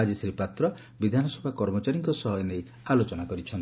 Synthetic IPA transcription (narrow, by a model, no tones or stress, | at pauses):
ad͡ʒisɾipat̪ɾɔ | bid̪ʱanɔsɔbʱakɔɾmɔt͡ʃaɾiŋkɔsɔɦɔjenej | alot͡ʃɔnakɔɾit͡ʃʰɔnt̪